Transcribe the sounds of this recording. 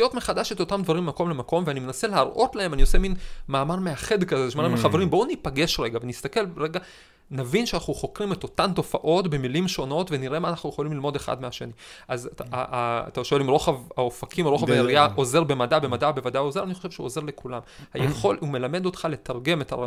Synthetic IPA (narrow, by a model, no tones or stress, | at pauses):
ijo̞tme̞χad̪aʃet̪o̞tamd̪vaʁimːmako̞mle̞mako̞mveanimenase̞leaʁʔo̞tlae̞manio̞seminmaːmaʁmeaχe̞d̪kazezʃmaʁmχaveʁimbonipaɡe̞ʃʁeɡavenist̪ake̞lʁeɡa | navinʃeanaχnuχo̞kʁimet̪o̞tanto̞faʔo̞tbe̞milimʃo̞no̞tve̞niʁʔe̞maːnaχnujeχolimlilmo̞deχa̰dmeaʃe̞̰niʔaza̰t̪aʃo̞elimʁo̞χavaofakimaʁo̞χavajeʁiaʔo̞ze̞ʁbe̞madabe̞madabe̞vad̪ajozeaniχo̞ʃev̥ʃeuoze̞ʁle̞kulamhajeχo̞lume̞lame̞d̪o̞t̪χale̞taʁɡe̞me̞ta̰a